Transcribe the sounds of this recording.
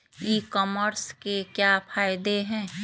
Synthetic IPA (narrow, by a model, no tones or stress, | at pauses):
iːkɔːməɾskekjaːpʰaːɪd̪eɦɛ̃ː